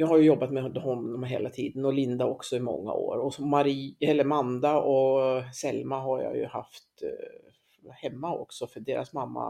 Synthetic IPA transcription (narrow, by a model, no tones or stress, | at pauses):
jɑːɡɦhajɵjɔbːat̪mɛhɔnːɔmɦḛːlat̪ʰiːd̪ənɔlɪnd̪aɔksɔɪmɔ̰ŋːa̰o̰ːɾɔmaɾiɛlːəɾmand̪aɔsɛlmaɦaɾjɑ̰jɵ̰ha̰ft̪ | hɛmːaɔ̰ksɔfœɖeːɾasmamːa̰